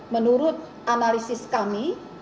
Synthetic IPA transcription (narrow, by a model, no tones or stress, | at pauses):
mənuɾʊt̪̚ | ʔanalisɪskami